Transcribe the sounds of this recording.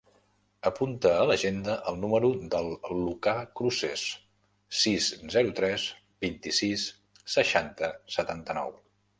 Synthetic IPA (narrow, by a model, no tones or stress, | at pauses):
əpunt̪əːləʒend̪əʔəlˠnuməɾud̪əlˠːukakɾuses | sizzɛɾut̪ɾɛz | b̥int̪isisː | əʃant̪əsət̪ant̪ənɔ̰w